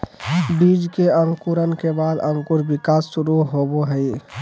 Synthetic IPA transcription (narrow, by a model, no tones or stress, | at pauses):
bid͡ʒkeəŋkuɾənkebaːd̪ə̃ŋkuɾbɪkaːsːʊɾuɦoboɦəi